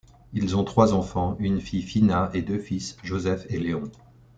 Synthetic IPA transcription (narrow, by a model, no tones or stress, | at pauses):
ilzɔ̃t̪χwazɑ̃fɑ̃ynfijfinaed̪øfisʒozɛfeleɔ̃